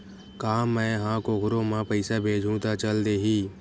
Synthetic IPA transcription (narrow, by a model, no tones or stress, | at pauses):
kaːmːɛ̃ːɦãkoɡʱʊɾõmãpɐɪsabʱeːd͡ʒʱũt̪at͡ʃəld̪eːɦiː